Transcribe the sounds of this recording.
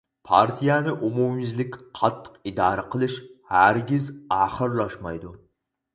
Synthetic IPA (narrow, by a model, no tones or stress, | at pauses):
pʰa̰ɾt̪ʰijanɪʔomumɪzlɪkʲqʰɑt̪ʰːə̥qɪd̪ɑːɾaqʰəlˠɪʃhæɾɡʲɪzaχɨɾlˠɑʃmɑjd̪ʊ